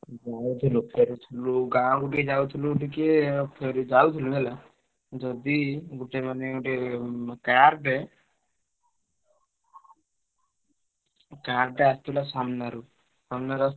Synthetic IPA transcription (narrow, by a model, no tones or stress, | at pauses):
d͡ʒawt̪ʰilupʰeɾut̪ʰiluɡãwɡuʈiked͡ʒawt̪ʰiluɡuʈ̬ikepʰeɾud͡ʒawt̪ʰiluɡɛla | d͡ʒɔd̪iɡuʈemaneɡuʈekaɾɖɛ | kaɾɖɛast̪ilasamnaɾu | sɔmnaɾas